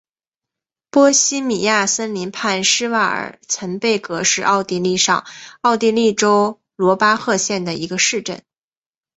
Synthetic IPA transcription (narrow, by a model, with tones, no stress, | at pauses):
pwɔ˥ɕi˥mi˨˩ja˥˩sə˥nli˧˥npʰa˥˩nʂɻ̩˥wa˥˩ə̰˨˩t͡sʰə˧˥npe˥˩ɪkɤ˧˥ʂɻ̩˥˧ʔɑ˥˧ʊt̪i˥˧li˥˧ʂɑ̰˥˧ŋɑ˥˧ʊt̪i˥˧li˥˩ʈ͡ʂo˥ʊ | lwɔ˧˥pa˥xɤ˥˧ɕjɛ˥˩nd̪ə˩i˧˥ɡə˧ʂɻ̩˥˧ʈ͡ʂə̰˥˩n